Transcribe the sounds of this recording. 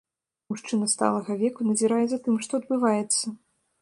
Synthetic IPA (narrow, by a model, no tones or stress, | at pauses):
muʂt͡ʂɨnɐst̪a̰lˠɐɣɐvʲɛkunɐzʲiɾajɛzɐt̪ɨmʂt̪ɔɐd̪̚bɨvajɛt̪sːɐ